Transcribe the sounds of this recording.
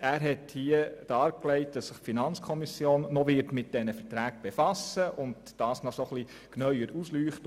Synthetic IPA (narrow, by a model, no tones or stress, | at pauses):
æːɾɦɛthiəd̥ɑːɾklɛɪt̚d̥ɑsːɪχfinɑnt͡skʰɔmisjoːnːɔʋɪɾtmɪt̚d̥ɛnəfəɾtɾæːk̚b̥efɑsəʔʊnd | d̥ɑːsnɔsɔχli | knœʏəɾuslyːχt